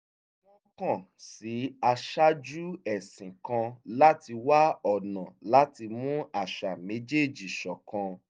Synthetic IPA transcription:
wɔ̃˦kã˦˨ | si˨˦a˧ʃa˦d͡ʒu˦ɛ˦˨sĩ˨kã˧la˦ti˧wa˦ɔ˦˨nã˨la˦ti˧mũ˦a˨ʃa˨me˨˦d͡ʒe˦˨d͡ʒi˨ʃɔ˨kã˧

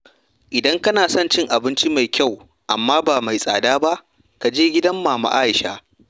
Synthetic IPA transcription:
ʔɪ˨dɐ˦ŋkɐ˦naː˨sɔ˦˨nt͡ʃɪ˦ŋʔa˨bɪ˦nt͡ʃi˦ma˨jkʲa˦˨w | ʔa˨mːaː˦baː˨ma˨jsʼa̰ː˨daː˦ba˦ʔ | ka˨d͡ʒeː˦ɡʲɪ˦dɐ˦mːaː˨ma̰˨ʔaː˦ʔɪ˨ʃa̰ː˦

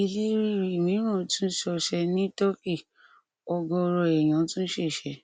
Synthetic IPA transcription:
i˧le˦ɾi˦˨ɾi˦˨nĩ˨˦ɾ̃ã˦˨˦tũ˦ʃɔ˧ʃɛ˧nĩ˦tɔ˦ki˦˨ | ɔ˧ɡɔ˧ɾɔ˧ɛ˨j̃ã˨˦tũ˦n̩˦ʃe˦˨ʃɛ˧

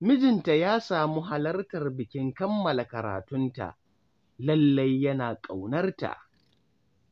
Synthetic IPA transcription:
mɪ˦d͡ʒɪ˨nta˨jaː˦saː˨mu˦ɦa˨lɐ˦rtɐ˨rbɪ˨kʲɪ˦ŋkɐ˦mːɐ˨la˨kɐ˨ɾa̰ː˨tʊ˦nta̰˨ʔ | lɐ˦lːɐ˦jːɐ˦naː˨kʼa˨wnɐ˦rta̰˨ʔ

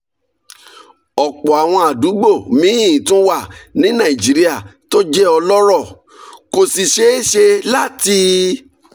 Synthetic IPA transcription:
ɔ˨k͡pɔ˨a˨w̃ɔ̃˧a˨du˨˦ɡ͡bo˦˨mĩ˨˦i˦˨ĩ˨˦tũ˦wa˦˨nĩ˨˦nã˦˨ĩ˨d͡ʒi˨˦ɾi˦a˦˨to˦d͡ʒɛ˦ɔ˧lɔ˦ɾɔ˦˨ | ko˨si˨ʃe˨˦e˦ʃe˧la˦ti˧

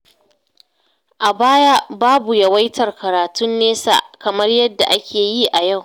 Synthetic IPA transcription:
ʔa˨baː˦ja˦baː˦bu˨jɐ˨wa˦jtʰɐ˨rkɐ˨ɾaː˨tʊ˦nːeː˦sa̰˦˨ʔkɐ˨mɐ˦rjɐ˦dːa̰˨ʔa˦kʲʰeː˨ji˦ʔa˨ja˦˨w

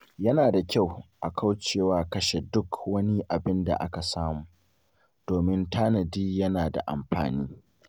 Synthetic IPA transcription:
jɐ˦naː˨da˨kʲa˦˨wʔa˨kʰa˦wt͡ʃeː˦˨waː˦kɐ˦ʃe˨dʊ˦kʰwɐ˦ni˦ʔa˨bɪ˦nda̰˨ʔa˦ka˨saː˦muː˨ | d̥oː˨mɪ˦ntʰaː˦nɐ˨diː˦jɐ˦naː˨da̰˨ʔa̰˨mɸa̰ː˨niː˦

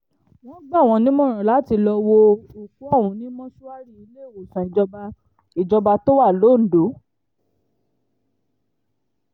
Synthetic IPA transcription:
w̃ɔ̃˦ɡ͡bã˦˨w̃ɔ̃˧nĩ˦mɔ̃˦˨ɾɔ̃˨la˨˦ti˧lɔ˧wo˧u˨ku˨˦ɔ˦˨wũ˧nĩ˦mɔ̃˦ʃu˦a˦ɾi˦˨i˧le˦˨wo˨sã˨i˨d͡ʒɔ˧ba˧ | i˨d͡ʒɔ˧ba˧to˦wa˦˨lo˨˦˨n̩˨do˨˦

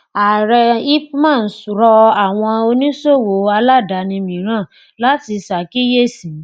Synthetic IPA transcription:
a˨ɾɛ˧i˦mãː˦˨n̩˨˦sɾɔ˧a˨w̃ɔ̃˧o˧nĩ˦so˦˨wo˨˦a˧la˦˨da˨˦nĩ˧mĩ˨˦ɾ̃ã˦˨ | la˦ti˧sa˨ki˦je˦˨sĩ˨˦

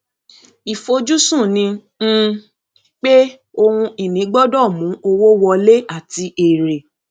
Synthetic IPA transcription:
i˨fo˧d͡ʒu˦sũ˦˨nĩ˧˦ | k͡pe˦ | o˧hũ˧i˨nĩ˨˦ɡ͡bɔ˦dɔ˦˨mũ˨˦o˧wo˦wɔ˧le˦a˦˨ti˧ʔe˨ɾe˨

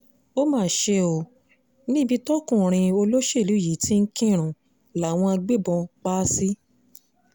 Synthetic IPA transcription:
o˦mãː˨˦˨ʃe˧o˧ | nĩ˦bi˧tɔ˦kũ˦˨ɾ̃ĩ˧o˧lo˦ʃe˦˨lu˨˦˨ji˨˦ti˦n̩˦kĩ˦˨ɾ̃ũ˨ | la˨w̃ɔ̃˧a˧ɡ͡be˦bɔ̃˧k͡paː˦si˦

